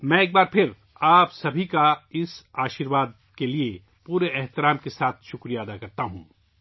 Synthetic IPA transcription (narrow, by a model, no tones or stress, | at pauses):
mɛ̃eːk̚baːɾpʰɪɾ | aːpsɐbʱikaɪsaːʃiːɾʋaːd̪̚ | kelie | puːɾeʔɛɦt̪ɪɾaːmkesaːt̪ʰʃʊkɾijaɐd̪akɐɾt̪aɦũː